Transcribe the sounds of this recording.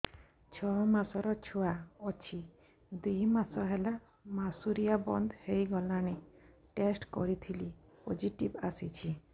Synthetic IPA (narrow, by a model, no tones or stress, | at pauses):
t͡ʃʰɔmasɔɾɔt͡ʃʰuaɔt͡ʃʰi | d̪imasɔɦela | masuɾijabɔnd̪hejɡɔlaɽ̃e | ʈesʈkɔ̰ɾit̪ʰili | pod͡ʒiʈibasit͡ʃʰi